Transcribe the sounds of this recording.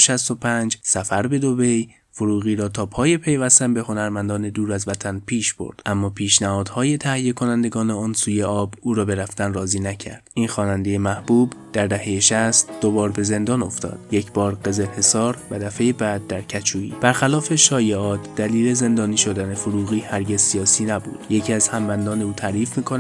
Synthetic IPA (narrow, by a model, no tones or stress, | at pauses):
ʃæst̪o̞pʰænd͡ʒsæfæɾbe̞d̪o̞be̞j | foɾuːɣiːɾɒːt̪ʰɒːpʰɒːje̞pʰe̞jvæst̪ænbe̞ho̞næɾmænd̪ɒːne̞d̪uːɾæzvæt̪ʰænpʰiːʃb̥o̞̰ɾd̪̥ʔæmːɒːpʰiːʃnæhɒːd̪̥hɒːje̞t̪ʰæhijːe̞kʰo̞nænd̪e̞ɡɒːneɒːnsuːje̞ʔɒːbuːɾɒːbe̞ɾæft̪ænrɒːziːnæcʰæ̰ɾd̪̥ʔiːnxɒːnænd̪e̞jemæhbuːbd̪̥æɾd̪æhe̞jeʃæst̪d̪̥o̞bɒːɾbe̞ze̞nd̪ɒːno̞ft̪ɒ̰ːd̪̥je̞cʰb̥ɒːɾɢe̞ze̞lhe̞sɒːɾvæd̪æfe̞jebæːd̪̚ːæɾcʰæt͡ʃʰuːḭːb̥æɾxælɒːfe̞ʃɒːje̞ɒːt̪ʰd̪̥æliːle̞ze̞nd̪ɒːniːʃo̞d̪ænefoɾuːɣiːhæɾɟe̞zsijɒːsiːnæbṵːd̪̥jecʰiːæz̥hæmbænd̪ɒːne̞uːt̪ʰæɾiːfmiːkʰon